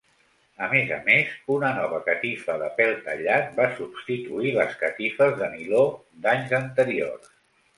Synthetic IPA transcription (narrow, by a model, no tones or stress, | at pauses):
əmezə̰mezunənɔβ̞əkət̪ifəðəpɛlˠt̪ə̰ʎat̪̚basubst̪it̪uiləskət̪ifəzðəmilo | d̪aɲzənt̪əɾio̰rs